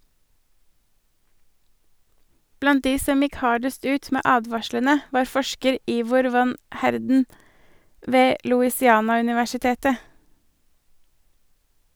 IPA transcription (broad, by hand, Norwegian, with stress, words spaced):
ˈblɑnt ˈdiː ˈsɔm ˈɪk ˈhɑːɖəst ˈʉːt ˈmeː ˈʔɑːdʋɑʃlənə ˈʋɑːɾ ˈfɔʃkəɾ ˈiːʋʊɾ ˈʋɑn ˈhæɾdn̩ ˈʋeː lʊɪsɪˈɑːnɑʉnɪʋæʃɪˌteːtə